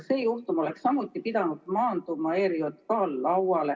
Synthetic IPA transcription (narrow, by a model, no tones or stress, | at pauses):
seːjuht̪umo̞le̞ksːɑmːut̪ːˑipid̪̥ɑnud̪̥mɑːnd̪umɑeːɾjot̪kɑːlːɑwɑle